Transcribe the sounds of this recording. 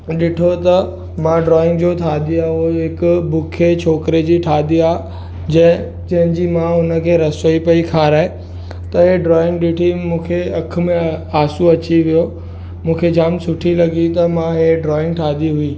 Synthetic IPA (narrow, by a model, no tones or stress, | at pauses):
ɗɪʈʰot̪ɐ | mãɖɾɔːɪ̃ŋɡd͡ʑoːt̪ʰaːd̪iaːoɦɪkʊbʊkʰet͡ɕʰoːkɾed͡ʑiːʈʰaːd̪iaː | d͡ʑɐ̃ɦɪ̃ | d͡ʑɐ̃ɦɪ̃ɲd͡ʑiːmãʊnə̆kʰeːɾɐsʋəipɐikʰaːɾaːe | t̪ɐɦeɖɾɔːɪ̃ŋɡɗɪʈʰimũːkʰeɐk̆ʰmẽaːsuɐt͡ɕiʋijo | mũːkʰed͡ʑaːmsʊʈʰilɐɡit̪ɐmãɦeɖɾɔːɪ̃ŋɡʈʰaːd̪iɦʊi